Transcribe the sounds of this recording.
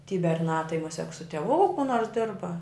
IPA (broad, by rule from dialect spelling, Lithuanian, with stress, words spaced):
tʲiː bʲɛrˈnɑː tɐɪ mʊˈsʲiɛk sʊ tʲiɛˈʋuː kʊ noːrs ˈdʲɪrbɐ